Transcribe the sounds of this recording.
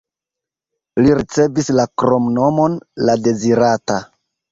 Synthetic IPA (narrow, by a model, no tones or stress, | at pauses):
liɾit͡se̞vislakɾo̞mno̞mo̞nlade̞ziɾata